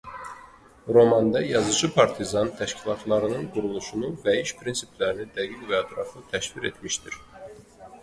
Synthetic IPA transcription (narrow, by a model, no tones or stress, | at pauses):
ɾo̞mɑnd̪ɑjɑzɯd͡ʒɯpʰɑɾt̪ʰizɑnt̪ʰæʃcʰilˠɑt̪ʰlˠɑɾɯnɯnɡuɾulˠuʃunuvæiʃpʰɾinsiplæɾinid̪æɡiɡvæɛt̪ʰɾɑfɯt̪ʰæʃviɾḛt̪miʃt̪iɾ̥